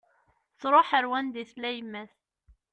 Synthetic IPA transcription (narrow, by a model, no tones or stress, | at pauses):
θɾˤoħəɾwænd̪iθlæjəmːæθ